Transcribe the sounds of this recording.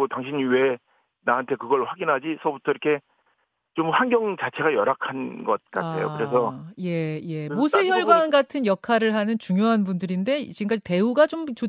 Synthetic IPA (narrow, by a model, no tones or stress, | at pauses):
otaŋɕʰiɲwe̞ | naɦantʰe̞kɯɡʌɭɸwaɡinɦad͡ʑisʰʌbutʰʌiɾʌkʰe̞ | t͡ɕomhaŋɡjʌŋt͡ɕat͡ɕʰe̞ɡajʌɾakʰanɡʌt̚k͈a̰tʰe̞̰jo̰ɯɾe̞sʰʌje̞je̞mosʰeçjʌɭɡwanɡatʰɯnjʌkʰaɾɯɭɦanɯnt͡ɕuŋjoɦanbundɯɾinde̞t͡ɕiɡɯŋk͈ape̞uɡat͡ɕomt͡ɕo